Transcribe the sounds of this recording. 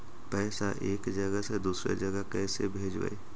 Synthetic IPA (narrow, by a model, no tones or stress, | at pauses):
pɛːsaʔeːkd͡ʒəɡəsed̪uːsɾḛd͡ʒəɡəkɛːsebʱeːd͡ʒʋə̰e